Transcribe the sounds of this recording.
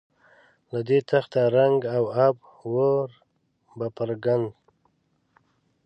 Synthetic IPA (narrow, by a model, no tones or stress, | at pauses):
lad̪et̪ʰaxt̪aɾaŋɡawab̚ | woɾ | bapaɾɡand̪